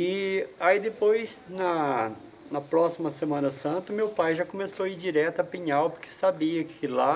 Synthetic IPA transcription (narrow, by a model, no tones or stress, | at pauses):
ɪaid̪epojznɐ | nɐpɾɔsimɐsemɐ̃nɐsɐ̃nt̪ɐmewpajʒakomesoid͡ʒiɾɛt̪ɐpĩɲawpoɾkɪ̥sabiɐkʰɪla